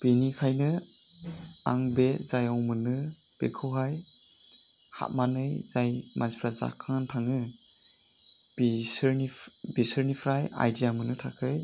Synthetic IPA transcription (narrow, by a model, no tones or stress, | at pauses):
b̥enikʰajnɯ | a̰ŋbezajɔwmɯnɯ | b̥ḛkʰɯwɦaj | ha̰t̚manɯjzajmanspʰɾaza̰kʰaŋntʰaŋɯ | bisɾni | besɯɾnipʰɾaja̰jdijamɯnɯtʰakʰɯj